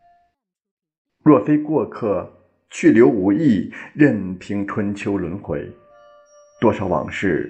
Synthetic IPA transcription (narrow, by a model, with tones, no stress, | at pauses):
ɻwɔ˥˩fe˥ɪkwɔ˥˧kʰɤ˥˩ | t͡ɕʰy˥˩ljo˧˥ʊu˧˥i˥˩ɻə˥˩nt̪ʰi˧˥ŋʈ͡ʂʰwə˥nt͡ɕʰjo˥ʊlwə˧˥nxwe˧˥ɪ | t̪wɔ˥ʂɑ˨˧˥ʊwɑ̰˨˩ŋʂɻ̩˥˩